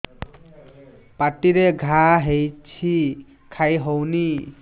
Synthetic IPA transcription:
paʈiɾeɡʱaɦejt͡ʃʰi | kʰajɦowni

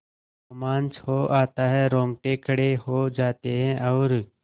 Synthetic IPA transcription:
maːnt͡ʃhoːʔaːt̪aːɦɛːɾõːŋɡʈeːkʰəɽeːhoːd͡ʒaːt̪eːɦɛ̃ːʔɔːɾ

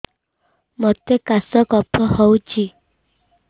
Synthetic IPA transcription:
mɔt̪ekasɔkɔpʰɔhɔut͡ʃi

